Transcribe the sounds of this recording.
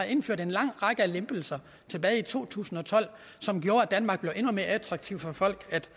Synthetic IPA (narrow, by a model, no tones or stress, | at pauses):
ɑe̝nføɐ̰d̥e̝nlɑ̈ŋ̰ʁɑ̈ɡ̥əælemb̥əl̩sɐ | t͡sʰe̝b̥ɛːit͡sʰo̝̰ːt͡sʰṵːsn̩ɒ̽t͡sʰɒ̽l̰ | sɒ̽mɡ̥jo̝ːɐæd̥ænmɑ̈ːɡ̥̚b̥le̝ʊʔe̝nume̝ːɐæt͡sʰʁɑ̈ɡ̥̚t͡sʰiʊ̰fɒ̽fɒ̽l̰ɡ̥æd̥